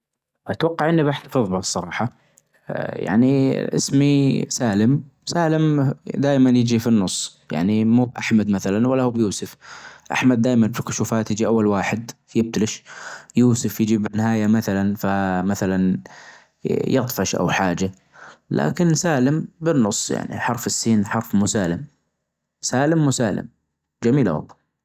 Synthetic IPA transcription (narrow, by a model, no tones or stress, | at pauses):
at̪wɑqːɑʕʔɪnːibaħt̪afɨðˤbasˤːɑɾˤɑːħɑ | ja̰ʕniʔɪ̰smisaːlɪmsaːlɪmd̪aːjmanjɪd͡ʒifinːʊsˤːja̰ʕnimuːbʔa̰ħmad̪maθalanwalːahuːbjuːsʊfʔa̰ħmad̪̚dːaːjmanbfikʊʃuːfaːt̪jɪd͡ʒiʔawːalwaːħɪd̪fjɪb̚t̪alɪʃjuːsʊfjɪd͡ʒibɪnːɪɦaːjamaθalanfamaθalan | jɑt̪ˤfɑʃʔa̰wħaːd͡ʒa | lʔa̰ːkɪnsaːlɪmbɪnːʊsˤːja̰ʕnḭħɑɾˤfɪsːiːnħɑɾˤfmuːsaːlɪm | saːlɪmːuːsaːlɪ̰m | d͡ʒamiːla̰wɑ̰lˤːɑ